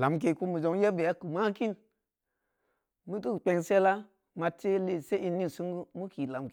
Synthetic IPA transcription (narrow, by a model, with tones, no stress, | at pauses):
la˨˦mk̬e˧˨ku˦mu˨d͡ʒo˨˧ŋ˦ja˦be˨a˦ku˨ma˦ki˦n | mu˦tu˦˨k͡pe˧ŋse˦la˦ | ma˧te˦le˨se˦i˧ni˦n˨su˦ŋɡu˦mu˦ki˨la˨mk